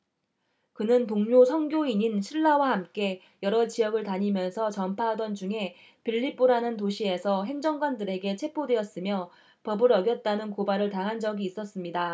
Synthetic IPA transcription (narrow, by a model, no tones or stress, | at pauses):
kɯnɯntoŋɲosʰʌŋɡjoiɲinɕʰiɭːawahamk͈e̞ | jʌɾʌt͡ɕijʌɡɯɭtaɲimjʌnsʰʌt͡ɕʌmpʰaɦadʌnd͡ʑuŋɦe̞ | piʎːip͈oɾanɯntoɕʰie̞sʰʌɦe̞ŋd͡ʑʌŋɡwandɯɾe̞ɡe̞t͡ɕʰe̞pʰodwe̞ʌs͈ɯmjʌ | pʌbɯɾʌɡjʌt̚t͈anɯnkobaɾɯɭtaŋɦand͡ʑʌɡiːs͈ʌs͈ɯmɲida